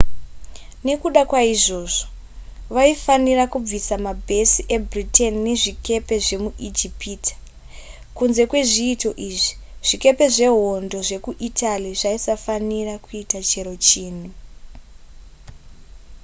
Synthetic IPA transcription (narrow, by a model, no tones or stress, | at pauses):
ne̞kuɗakwaiʐo̞ːʐo̥ | ʋaifanirakub͡visamabʱe̞siʔe̞britenine̞ʐike̞pe̞ʐe̞muʔid͡ʒipiːtḁ | kunze̞kwe̞ʐiːto̞ʔiʐi | ʐ̥ike̞pe̞ʐe̞ɦo̞ndo̞ʐe̞kuʔitʰaliʐaisafanirakuitat͡ʃe̞ɾo̞t͡ʃiːnu